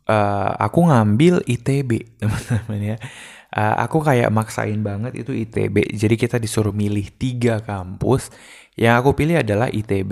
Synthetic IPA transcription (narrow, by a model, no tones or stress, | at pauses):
ʔəa̰kuŋambɪlit̪ebeʔt̪əmanəmanja | ʔə̰ʔa̰kukaja̰ʔmaksa̰ʔɪnbaŋət̪ḭt̪uit̪ḛbḛd͡ʒadikit̪adisuɾʊmilɪht̪iɡakampʊs | jaŋakupilɪɦadala̰hʔit̪ebe